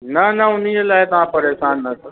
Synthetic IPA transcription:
nɐnɐʊn̤ielaːɪt̪ɐʋ̤ãpɐɾeːʃaːnːɐt̪ʰː

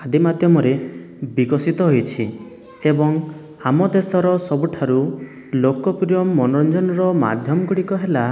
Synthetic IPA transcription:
ad̪imad̪ʱjɔmɔɾe | biɡɔsit̪ɔɦojt͡ʃʰi | ebɔŋ | amɔd̪esɔɾɔsɔbuʈʰaɾu | lokɔpɾijɔmːɔnɾɔnd͡ʒɔnɔɾɔma̰d̪ʱjɔmɔɡuɽikɔɦela

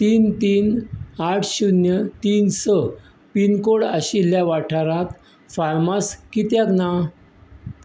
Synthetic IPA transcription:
t̪iːnt̪iːnaʈʰɕunjət̪iːnsə | pinkoɽaɕilːjaʋaʈʰaɾat̪ | faɾmaskit̪jakna

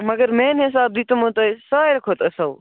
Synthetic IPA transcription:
mɐɡəɾmeːnɦɪs̬aːb̚d̪it̪ɐmõt̪osaːjɾɐkʰoːt̪ɐsɐl

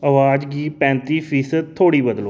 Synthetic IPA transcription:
əʋaːd͡ʒɡiːpɛ̃ːnt̪iːpʰiːsəd̪̚t̪ʰːoːɽiːbəd̪loː

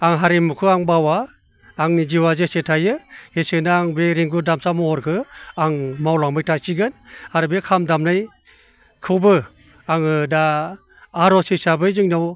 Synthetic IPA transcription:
aŋɦaɾimukʰɯaŋbawaː | ŋnid͡ʒiwazesetʰajɯhesenaaŋbeɾiŋɡudamsamɔɔɾkʰɯaŋmawlaŋmɯjtʰasiɡɯnaɾɯbekʰamdamnaj | kʰɯwbɯ | aŋɯdaː | ɾɔsɯsabɯjzɯŋnaw

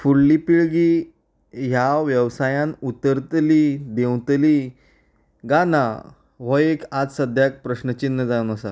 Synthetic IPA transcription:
fuɽlipiɭɡi | ɦjaʋjəʋsajãnut̪əɾt̪liːd̪ewt̪li | ɡana̰ | ʋɔekad͡zsəd̪ʱjak̚pɾəɕnət͡ɕinːəd͡zaunəsa̰

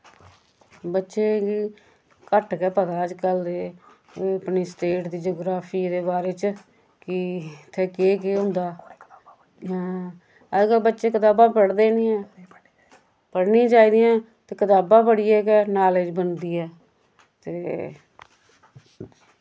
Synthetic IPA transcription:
bətːʃeːki | kəʈkɛːpət̪aːəd͡ʒkəld̪eː | əpniːsʈeːʈd̪iːd͡ʒoːɡɾaːpʰiːd̪eːbaːɾeːt͡ʃ | kɪt̪ʰːeːkeːk̬eɦʊ̃nd̪aː | ɦãː | əd͡ʒkəlbətːʃeːkət̪aːbãːpəɽd̪eːnĩːɛː | pəɽnĩːt͡ʃaːiːd̪ijãː | t̪eːkət̪aːbãːpəɽiːɛːkɛːnaːleːd͡ʒbənd̪iːɛː | t̪eː

